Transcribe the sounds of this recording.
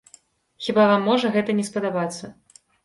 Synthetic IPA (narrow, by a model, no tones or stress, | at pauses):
xʲibavamːɔʐɐɣɛt̪ɐnʲɛspɐd̪abat̪sːɐ